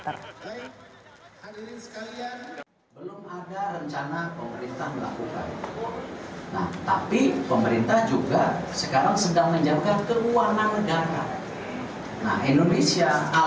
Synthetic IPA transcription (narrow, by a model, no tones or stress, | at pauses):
bak̚hadiinsə̥kalian | bəlʊmadarəɲt͡ʃanapəməɾint̪ahməla̰kuka̰n̰ | na̰ht̪apipəməɾint̪ahd͡ʒuɡasəkaɾaŋsədaŋməɲd͡ʒap̚kankəruananːəɡaɾa̰ | na̰hindonesia